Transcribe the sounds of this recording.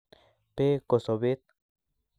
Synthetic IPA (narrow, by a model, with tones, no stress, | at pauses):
pe˦ko˨so˨be˦t̪̚